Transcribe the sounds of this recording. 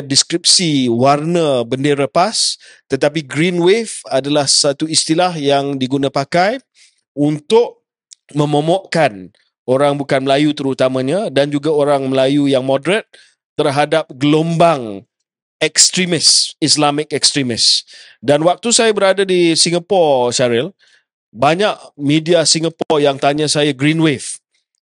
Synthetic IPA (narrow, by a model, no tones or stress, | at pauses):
diskɾip̚siwarnəbəndeɾapas | t̪ət̪ap̬iɡɾinwefadalahsat̪uist̪ilahjaŋdiɡunãpakaj | unt̪ʊʔ̚ | mə̃mõmɔʔkan | oɾaŋbukanməlajut̪əɾut̪amãɲãdand͡ʒuɡaoɾaŋməlajujaŋmɔdɾət̪̚ː | ərɦadap̚ɡəlombaŋ | ɛkst̪ɾimɪsislamɪkɛkst̪ɾimɪsdanwak̚t̪usajabəɾadadisiŋapɔrsaɾɪl | baɲaʔmidiasiŋapɔrjaŋt̪aɲãsajaɡɾinwef